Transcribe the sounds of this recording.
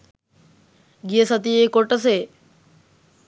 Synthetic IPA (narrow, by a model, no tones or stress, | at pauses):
ɡijəsɐt̪ijejkoʈɐs̬eː